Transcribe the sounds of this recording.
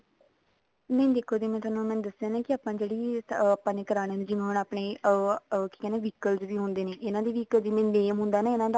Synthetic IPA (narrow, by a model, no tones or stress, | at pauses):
nə̃ĩːd̪eːkʰoːd̪eːmɛ̃ːt̪ʊaːnũːmɛ̃ːnd̪əsaːnãːkɪaːpːãːd͡ʒeːɽiːaːpːãːneːkəɾaːñeːneːd͡ʒɪʋẽnaːpɳeː | ki̥kɛːneːʋiːkəlzʋiːɦʊ̃nd̪eːneːʔɪnãːd̪eːʋiːkəlziːmɛ̃ːneːmɦʊ̃ːnd̪aːnaːɪnãːd̪a